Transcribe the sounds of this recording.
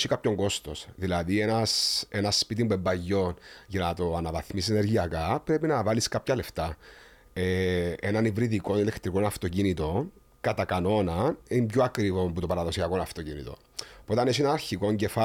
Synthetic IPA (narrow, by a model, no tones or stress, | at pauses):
sikapço̞ŋɡo̞st̪o̞sðilɐðie̞nɐse̞nɐspit̪imbembɐʝːo̞nʝɐnɐt̪o̞ɐnɐvɐθmisis̬ene̞ɾʝiɐkɐpɾe̞pinɐvɐliskapçɐle̞ft̪ɐ | eenɐnivɾiðiko̞nele̞kt̪ɾiko̞nɐft̪o̞cinit̪o̞n | kɐt̪ɐkano̞nɐimpçoɐkɾivo̞mput̪o̞pɐɾɐðo̞siɐkonɐft̪o̞cinḭt̪o̞̰ | po̞t̪ɐnes̬ienɐnɐɾçiko̞ɲɟe̞fa